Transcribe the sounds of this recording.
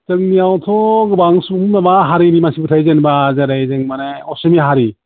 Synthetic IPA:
tɯŋniawtʰɔɡɯbaŋsumnabaɦaɾinimansibɯtʰajzenbazaɾajzɯŋmanaɔsɯmiɦaɾi

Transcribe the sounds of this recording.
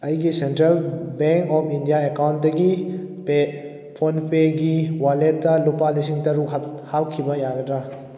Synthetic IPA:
ɐjɡisentɾelbeŋkɔpʰindijaekawntdɐɡipe | pʰonpʰeɡiwaletːɐlupalis̬iŋtɐɾukɦhawkʰibɐjaɡɐdɾa

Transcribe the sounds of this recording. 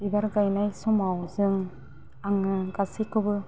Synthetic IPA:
ibaɾɡajnajsɔmawzɯŋ | aŋɯɡasikɯbɯ

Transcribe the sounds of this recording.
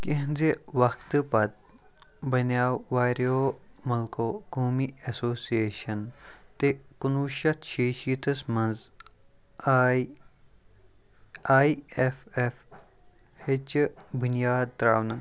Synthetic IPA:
kiɦnzeʋɐkʰt̪ɨpɐt̪̚ | bɐnjaːwʋaːɾjoːmɐlkoːkoːmiɐsoːsieːʃɐnt̪ekunuːʃɐt̪ʰʃeːʃit̪ɐsmɐnz | aiefef | het͡ʃbunjaːd̪̚t̪ɾaːwnɐ

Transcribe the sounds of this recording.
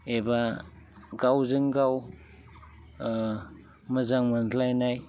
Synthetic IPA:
eba | ɡawzɯŋɡaw | mɐzaŋmandlajnaj

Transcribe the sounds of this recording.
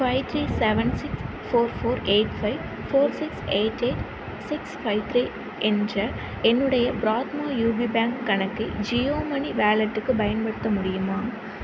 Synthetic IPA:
fɐɪʋt̪ʰɾiːsɛʋɐnsɪks | foːɾfoːɾeːʈfɐɪʋ | foːɾsɪkseːʈːeːʈ | sɪksfɐɪʋt̪ʰɾiː | ʔɛndrɐ | ɛnːɯɽɐjɐbɾaːt̪maːjuːbibaːŋkkɐɳɐkːɯd͡ʒijoːmɐniʋaːlɐʈːɯkːɯbɐjɐnpɐɽɯt̪ːɐmʊɽɪjɯmaː

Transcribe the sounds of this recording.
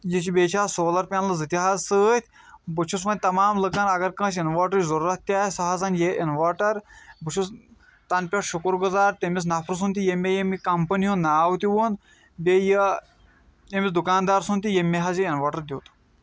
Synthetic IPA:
jit͡ʃibeːt͡ʃʰaːsoːlɐɾpʲanlɨzɨt̪ʲiɦaːzsəːt̪ʲʰ | bɨt͡ʃʰusʋɐnʲt̪ɐmaːmlɨkɐnɐɡɐɾkɐ̃ːʃinʋaːʈɐɾizɐɾuɾɐt̪t̪ʲaːsɐɦazanjeʔinʋaːʈɐɾbɨt͡ʃʰus | t̪ɐnpʲɐʈʃukuɾɡuzaːɾt̪ʲemis̬nɐpʰɾus̬unt̪ijemʲejemikɐmpənʲiɦunaːwt̪iʋon | bejə | jemʲisd̪ukaːnd̪aːɾsunt̪ijemʲːeɦɐziinʋaːʈɐɾd̪ʲiwt̪

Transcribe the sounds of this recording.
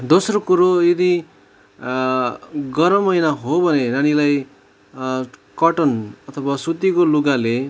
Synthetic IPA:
d̪osrokuɾojed̪i | ɡʌɾʌmʌjnaɦobʱʌnenanilaj | kʌʈʌnʌt̪ʰʌbasut̪ikoluɡale

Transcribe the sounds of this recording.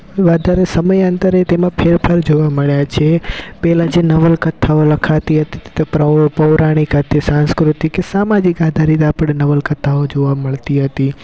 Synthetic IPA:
ʋad̪ʱaɾesəməjə̃nt̪əɾet̪emãpʰeɾpʰəɾd͡ʒoʋaməɭjat͡ʃʰepɛɦlad͡ʒenəʋəlkət̪ʰːaoləkʰat̪iɦət̪i̥ppəʋɾaɽ̃ikət̪isãnskɾut̪ikːesamad͡ʒikad̪ʱaɾit̪apɽ̃enəʋəlkət̪ʰːaod͡ʒoʋaməɭt̪iɦət̪i

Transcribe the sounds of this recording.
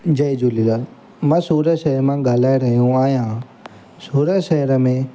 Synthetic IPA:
d͡ʒɐjd͡ʒuːlɪlaːl | mãsuːɾəʃɐɦəɾmãɡaːlaːɾɐɦijũaːɦjã | suːɾəʃɐɦəɾəmẽ

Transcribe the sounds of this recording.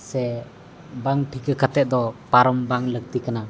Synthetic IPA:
sɛ | baŋpʰikəkʰat̪ɛʔ̚d̪ɔpaɾɔmbaŋlək̚t̪ikəna

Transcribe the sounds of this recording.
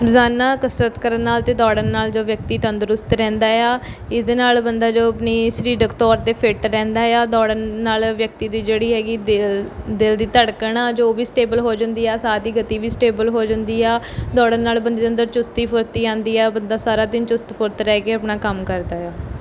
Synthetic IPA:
ɾzaːnːaːkəsɾət̪kəɾənːaːlt̪eːd̪ɔːɽənːaːld͡ʒoːʋjək̚t̪iːt̪ənd̪əɾʊst̪ɾɛ̃ːnd̪aːjaː | ɪsd̪eːnaːlbənd̪aːd͡ʒoːəpniːsɾiːɖəkt̪ɔːɾt̪eːpʰɪʈɾɛ̃ːnd̪aːjaːd̪ɔːɽənːaːlʋjək̚t̪iːd̪iːd͡ʒeːɽiːɦɛːɡiːd̪eld̪ɪld̪iːt̪əɽkəɳaːd͡ʒoːʋiːsʈeːbəlɦoːd͡ʒə̃nd̪iːɛːsaːd̪iːɡət̪iːʋiːsʈeːbəlɦoːd͡ʒə̃nd̪iːɛː | d̪ɔːɽənːaːlbənd̪iːt̪ənd̪əɾt͡ʃʊst̪iːpʰʊɾt̪iːãːnd̪iːɛːbənd̪aːsaːɾaːd̪ɪnt͡ʃʊst̪pʰʊɾt̪ɾɛːkeːəpɳaːkəmkəɾd̪aːjaː

